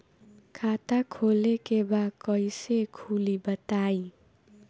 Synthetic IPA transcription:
kʰat̪akʰolekebakʌjsekʰulibʌt̪aj

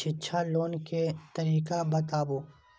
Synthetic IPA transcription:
ɪtːʃʰaloːnket̪ɐɾiːkabɐt̪aːboː

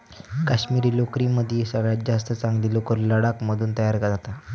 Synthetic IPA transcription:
kaɕmiːɾiːlokɾiməd̪ʱjesəɡɭjat̪̚d͡ʑast̪ət͡saŋɡlilokəɾləɽakməd̪ʱuːnt̪əjaɾkəd͡zat̪a

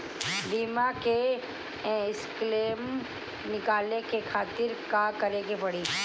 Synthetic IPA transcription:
ɖiːmakẽ | ɪskleːm | nɪkaːlekekʰaːt̪ɪɾkakɐɾeɡepɐɽiː

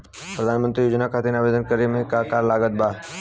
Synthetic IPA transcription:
pɾəd̪ʱaːnmə̃nt̪ɾijoːd͡ʒnakʰaːt̪inaːʋeːd̪ənkəɾimẽkakaːɾlaːɡət̪̚baː

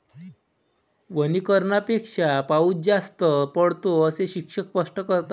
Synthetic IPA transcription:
ʋənikəɾɳapekʂapaut̚d͡zast̪əpəɽt̪oəseɕikʂəkpəʂʈəkəɾt̪a

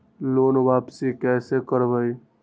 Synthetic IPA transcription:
lonbapsikɛsekəɾbəj

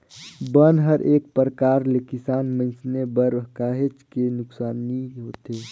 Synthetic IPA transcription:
bənɦəɾʔeːk̚pəɾəkaːɾlekisaːnmə̃nsnebəɾkaːɦet͡ʃkenʊksaːniɦoːt̪e

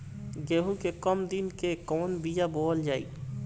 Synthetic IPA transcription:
ɡeːɦukekəmd̪inkekɔːnbijaboːld͡ʒaːḭ

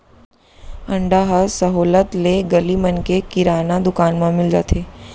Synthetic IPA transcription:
ɐ̃ɳɖaɦəsəɦoːlət̪leɡɐlimənkekɪɾaːnad̪ʊkaːnmãmɪld͡ʒa̰ːt̪ʰeː

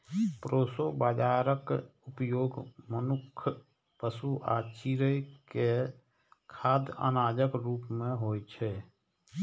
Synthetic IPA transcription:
pɾoːsobaːd͡ʒaːɾəkʊpjoːɡmənʊkʰː | pəsuʔa̰ːt͡ʃiɾəjke | kʰaːd̪ə̰naːd͡ʒəkɾuːpmẽɦoːjt͡ʃʰɛː

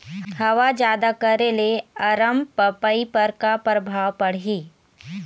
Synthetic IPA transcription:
hɐʋad͡ʒjaːd̪akɐɾeleɐɾəmpɐpəipɐɾkapɾəbʱaːwpɐɽ̤iː

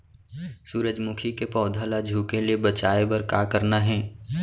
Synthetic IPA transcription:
suːɾəd͡ʒmʊkʰikepɔːd̪ʱalad͡ʒʱuːkeliebət͡ʃaːebɐɾka̰ːkəɾnaɦɛ̃ː

